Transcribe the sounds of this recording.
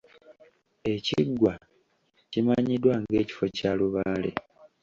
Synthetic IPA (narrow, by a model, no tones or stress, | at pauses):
e̞ciɡwa | cimaɲidwaŋɡe̞ːci̥fo̞caːluβaːlḛ